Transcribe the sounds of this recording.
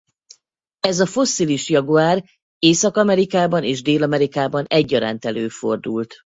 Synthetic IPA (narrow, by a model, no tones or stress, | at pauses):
ɛzɒfo̞sːiliʃjɒɡoaːr | eːsɒkɒmɛɾikaːbɒneːʒd̪eːlɒmɛɾikaːbɒnɛɟːɒɾa̰ːnt̪ɛløːfo̞̰rd̪ult̪